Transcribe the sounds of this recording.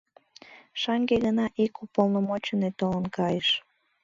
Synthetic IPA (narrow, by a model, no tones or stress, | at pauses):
ʃɑŋɡeɣənɑʔikupolˠnəmot͡ɕənet̪olənkɑjəʃ